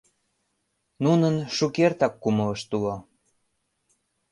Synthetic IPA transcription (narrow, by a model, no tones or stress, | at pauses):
nunənʃukert̪ɑkːumə̆lə̆ʃt̪ulo